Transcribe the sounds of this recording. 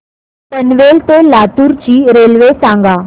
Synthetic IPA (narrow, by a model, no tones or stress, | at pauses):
t̪ənʋeːlt̪elaːt̪uɾt͡ɕiːɾeːlʋesãːŋɡaː